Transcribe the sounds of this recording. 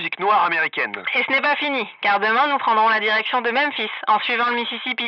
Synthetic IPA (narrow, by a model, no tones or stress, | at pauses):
ziknwaʁameʁikʲɛnesənɛpafinikaʁd̪əmɛ̃nupχɑ̃d̪ʁɔ̃lad̪iʁɛksjɔ̃d̪əmɛmfisɑ̰̃sɥivɑ̃ləmisisipi